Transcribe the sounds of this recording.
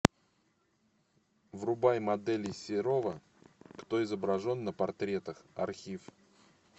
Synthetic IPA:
vrʊbajmɐd̪ɛlʲɪsʲɪɾo̞və | kt̪o̞ɪzəbɾɐʐo̞nːəpɐrt̪ɾʲe̞t̪əxɐ̰rxʲif

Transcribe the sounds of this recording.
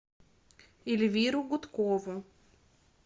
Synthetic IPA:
ɪlʲvʲiɾʊɡʊt̪kovʊ

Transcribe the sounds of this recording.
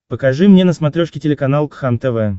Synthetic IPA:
pəkɐʐɨmnʲenəsmɐt̪ɾʲoʂkʲɪtʲɪlʲɪkɐnalˠkxamt̪ɛvɛ

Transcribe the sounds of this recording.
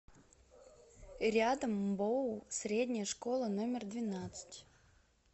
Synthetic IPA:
ɾʲad̪əmbosɾʲedʲnʲɪjəʂkolˠənomʲɪrd̪vʲɪnat̪sɨ̥tʲ

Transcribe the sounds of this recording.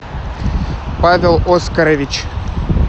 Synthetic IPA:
pavʲɪlˠoskɐɾəvʲɪt͡ɕ

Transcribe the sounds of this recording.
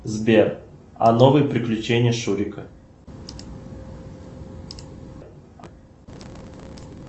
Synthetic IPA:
zbʲer | ɐ̰novɨjəpɾʲɪklʲʉt͡ɕenʲɪjəʂuɾʲɪkə

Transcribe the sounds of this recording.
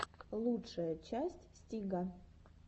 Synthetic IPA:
lˠutʂəjət͡ɕæsʲtʲsʲtʲiɡa

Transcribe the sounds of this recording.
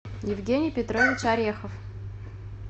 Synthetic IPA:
jɪvɡʲenʲɪjpʲɪt̪ɾovʲɪt͡ɕaɾʲexəf

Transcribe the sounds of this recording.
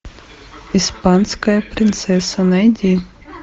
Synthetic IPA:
ispɑnsʲkɐjɐpɾʲɪnt̪sɛsɐnɐjd̪ʲi

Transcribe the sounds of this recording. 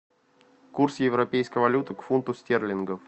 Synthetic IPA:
kursjɪvɾɐpʲejskəjvɐlʲut̪ɨkfunt̪ʊsʲtʲerlʲɪnɡəf

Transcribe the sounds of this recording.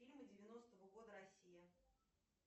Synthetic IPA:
ilʲmədʲɪvʲɪno̞st̪əvəɡo̞d̪əɾɐsʲijə

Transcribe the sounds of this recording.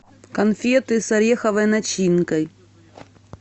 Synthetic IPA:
kɐnfʲet̪ɨsɐɾʲexɐvɐjnɐt͡ɕinkɐj

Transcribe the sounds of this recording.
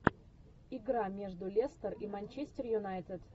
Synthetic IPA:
ɪɡɾamʲe̞ʐd̪ʊlʲest̪ərimɐnʲt͡ɕesʲtʲɪrjʊnajt̪ʲɪt̪

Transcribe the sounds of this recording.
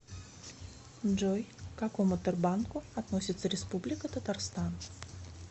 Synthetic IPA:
ʐɔjkakɔmʊt̪ɨrbankʊat̪nɔsʲɪt̪sːəɾʲɛspublʲɪkət̪ət̪arst̪an

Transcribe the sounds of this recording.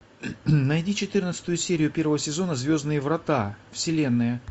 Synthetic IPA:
nɐjdʲit͡ɕɪt̪ɨrnət̪sɨ̥t̪ʊjʊsʲeɾʲɪjʊpʲe̞rvəvəsʲɪzo̞nəzvʲo̞znɨjəvɾɐt̪afsʲɪlʲe̞nːɨjə

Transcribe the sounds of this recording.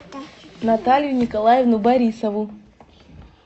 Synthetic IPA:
nɐt̪alʲjʊnʲɪkɐlˠajevnʊbɐɾʲisəvu

